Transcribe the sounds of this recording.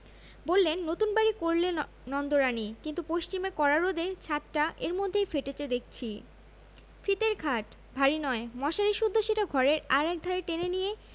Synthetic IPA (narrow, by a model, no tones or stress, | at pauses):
bolːenːot̪unbaɾikoɾle | nɔnd̪oɾanikint̪upoʃt͡ɕimekɔɾaɾod̪et͡ɕʰat̪ʈaʔeɾmod̪ʱːejfeʈet͡ɕed̪ek̚ʰt͡ɕʰi | fit̪eɾɡʰʱaʈ | bʱaɾinɔemɔʃaɾiʃud̪ʱːoʃeʈaɡʱɔɾeɾaɾɛk̚d̪ʱaɾeʈenenije